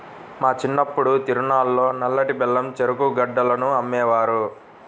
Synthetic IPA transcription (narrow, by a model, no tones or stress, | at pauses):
maːt͡ʃinːɐpːuɽut̪iɾunaːlːo̞ːnɐlːɐʈibɛlːɐmt͡ʃeɾukuɡɐɖːɐlɐnuɐmːɛːʋaːɾu